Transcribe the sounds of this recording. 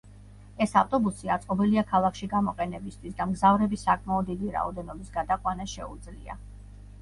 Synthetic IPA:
ɛsaft̪ʼɔbusiat̪sʼqʼɔbɛliakʰalˠakʰʃiɡamɔqʼɛnɛbist̪ʰwisd̪amɡzavɾɛbisakʰʼmaɔd̪ːid̪iɾa̰ɔ̰d̪ɛnɔbisɡad̪aqʼwanaʃɛ̰ud̪zlḭa̰

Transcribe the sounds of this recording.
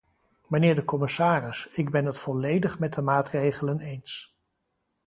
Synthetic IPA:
mənɪːɹdəkɔmɪsaːrɪsɪɡbɛnɦətfɔlejdəχmɛt̚dəmaːtrejχələnejns

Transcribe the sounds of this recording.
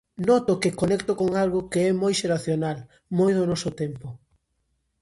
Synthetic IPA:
nɔt̪ʊkɪkonekt̪ʊkoŋalɣʊkeɛmojʃeɾaθjonal | mojðonɔsʊt̪ɛmpʊ

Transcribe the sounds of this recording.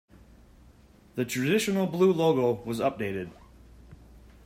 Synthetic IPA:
ðətʰɹ̥ədɪʃənl̩ˠblˠʉːlˠoɡowʌzʌp̚d̥eɪɾɪd̥

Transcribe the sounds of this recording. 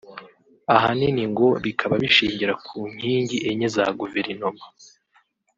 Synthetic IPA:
aɦaniniŋɡo̞βikʰaβaβiʃiːɲɟiɾakʰuːɲ̥hiːɲɟiʔeɲeza̰ɡuve̞ɾino̞ma

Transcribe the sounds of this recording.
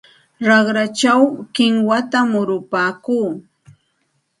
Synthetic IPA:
ɾɑχɾat͡ʃawkɪŋwat̪amʊɾʊpaːkuː

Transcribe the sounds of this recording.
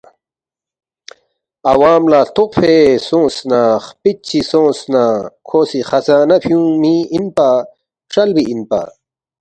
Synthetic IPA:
ɐwaːmlaːt̪oqfesõːsnaχpit͡ɕisõːsnakʰoːsixɐzaːnɐpʰjũmiinpa | ʂɐlbiʔinpa̰

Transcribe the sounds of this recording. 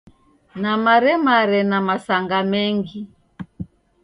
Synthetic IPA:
namaɾɛmaɾɛnamasaŋɡamɛŋɡi

